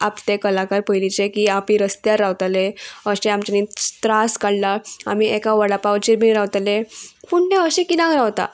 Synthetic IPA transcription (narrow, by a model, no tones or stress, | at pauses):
apt̪ekəlakaɾpəilit͡ɕekiapiɾəst̪jaɾɾawt̪aleəɕẽamt͡ɕanit̪ɾaskaɽlaamiɛkaʋəɽapawt͡ɕiɾminɾawt̪alefuɳnẽəɕẽkinãkɾawt̪a̰